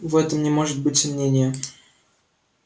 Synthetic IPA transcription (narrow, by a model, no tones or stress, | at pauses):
vɛt̪əmnʲɪmo̞ʐɨt̪̚bɨtʲsɐmnʲenʲɪjə